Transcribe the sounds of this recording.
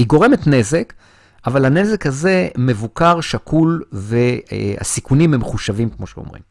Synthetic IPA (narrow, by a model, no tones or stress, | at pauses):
hiɡo̞ʁe̞metne̞zek | avalane̞ze̞khaze̞me̞vukaʁʃakʰulve̞a̰sikunimhemχuʃavimkmo̞ʃeo̰mʁḭm